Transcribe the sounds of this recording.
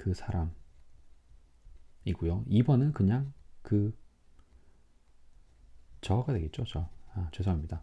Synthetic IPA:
kɯsʰaɾam | iɡujoibʌnɯnkɯɲaŋkɯ | t͡ɕʌɡadwe̞ɡe̞t̚t͡ɕ͈ot͡ɕʌat͡ɕesʰʌimɲida

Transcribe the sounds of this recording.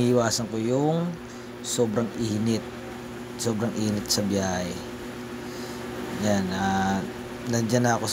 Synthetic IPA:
hɪwaːsɐŋkojʊŋ | soːbɾaŋʔiːnɪt̪̚ | soːbɾɐŋʔiːnɪt̪̚sɐbjahɛ | janʔa | nɐnd͡ʒanako

